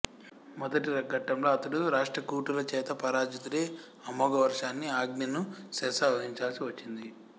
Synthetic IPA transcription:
mɔd̪ɐʈiɾɐɡɐʈːɐmlo̞ːɐt̪ɐɽuɾaːʂʈɾɐkuːʈulɐt͡ʃɛːt̪ɐpɐɾaːd͡ʒɐt̪uɾeː | ɐmɔːɡɐʋɐɾʂaːnːiaːɡninusɛːsɐʋɐɦiɲt͡ʃaːlsiʋɐt͡ʃːind̪i

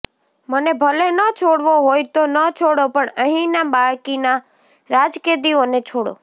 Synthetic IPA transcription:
mənebʱəlenət͡ʃʰoɽʋoɦojt̪onət͡ʃʰoɽopəɳəɦĩnabaɭkina | ɾad͡ʒked̪ionet͡ʃʰoɽo̰

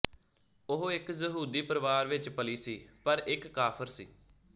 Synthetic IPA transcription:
ʊɦɪkzəɦuːd̪iːpəɾəʋaːɾʋɪt͡ʃpəliːsiːpəɾɪkːaːpʰəɾsḭː

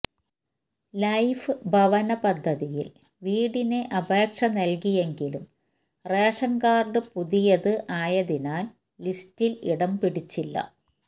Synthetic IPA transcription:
lɐjfɨbʱɐʋɐnɐpɐd̪ʱːɐðijil | ʋiːɽine̞ʔɐbʱe̞ːkʂɐnɐlkije̞ŋɡilum | reːʂɐnkaːrɖɨpuðijɐðɨʔaːjɐðinaːlː | istiliɽɐmpiɽit͡ɕːilːɐ̰

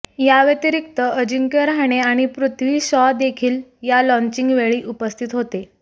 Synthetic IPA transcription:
jaʋjət̪iɾik̚t̪əəd͡ʑiŋkeɾaɽ̃eaɽ̃ipɾut̪ʰʋiːɕɔd̪ekʰiːljalɔ̃ɲt͡ɕiŋɡʋeɭiːʔupəst̪ʰit̪ɦot̪e

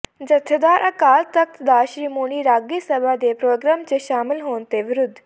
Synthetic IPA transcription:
d͡ʒɐt̪ʰed̪aːɾʔɐkaːlt̪ɐk̚t̪d̪aːʃɾiːmoːɽ̃iɾaːɡisɐbʱad̪epɾoːɡɾaːmt͡ʃeʃaːmɪlɦoːnt̪eʋɪɾʊd̪ʱː

